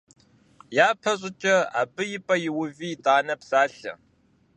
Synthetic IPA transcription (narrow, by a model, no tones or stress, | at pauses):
jaːpʰɐɕʼɪt͡ʃʼɐa̰ːbɨjɪpʼɐjɪwʊviːtʼaːnɐpsaːɬɐ̰